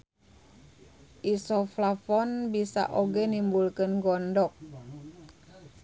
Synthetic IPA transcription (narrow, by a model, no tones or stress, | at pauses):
ʔisɔflafɔnbisa̰ʔoɡɛnimbulkənɡɔndɔk̚